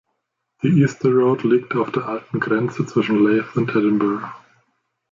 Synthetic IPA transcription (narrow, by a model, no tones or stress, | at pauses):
ð̥iʔiːstəɹoʊtlik̚taʊfd̥eːɐʔaltn̩ɡʁɛnt͡sət͡sv̥ɪʃn̩leɪfʊ̃ntɛdn̩bə˞